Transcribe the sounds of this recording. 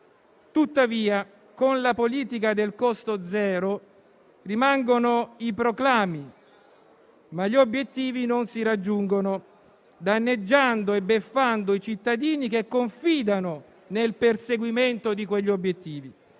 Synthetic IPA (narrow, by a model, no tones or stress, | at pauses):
t̪ut̪ːaviːa | konlapoliːt̪ikad̪elkɔst̪od̪zɛːɾo | rimaŋɡonoipɾoklaːmi | maʎːiobːjet̪ːiːvinonsiɾad͡ʒːuŋɡono | d̪anːed͡ʒːand̪oebːefːand̪oit͡ʃit̪ːad̪iːnikekːoɱfiːd̪ano | nelperseɡwiment̪od̪ikweʎːiobjet̪ːiːvi